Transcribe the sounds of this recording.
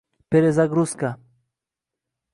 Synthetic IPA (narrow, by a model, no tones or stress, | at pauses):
peɾezaɡɾuska